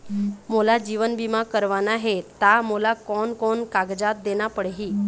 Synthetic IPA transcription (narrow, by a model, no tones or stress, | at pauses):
molad͡ʑiʋənbimakəɾʋanaɦet̪amolakɔɳkɔɳkaɡd͡zat̪̚d̪enapəɽɦiː